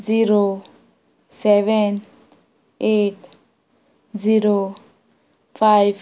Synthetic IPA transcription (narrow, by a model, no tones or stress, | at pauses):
ziɾo | sɛʋen | eʈ | ziɾo | fʰajʋ